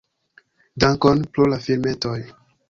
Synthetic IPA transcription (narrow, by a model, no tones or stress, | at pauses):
daŋkonpɾulafilmetoj